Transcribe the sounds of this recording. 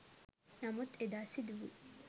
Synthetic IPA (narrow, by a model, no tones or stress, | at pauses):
nɐmut̪ed̪aːsid̪uʋṵ